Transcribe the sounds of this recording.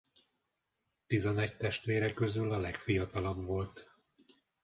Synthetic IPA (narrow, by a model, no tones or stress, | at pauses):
t̪izɛnɛct̪ɛʃt̪ʋeːɾɛkøzylɒlɛkfijɒt̪ɒlɒbvo̞lt̪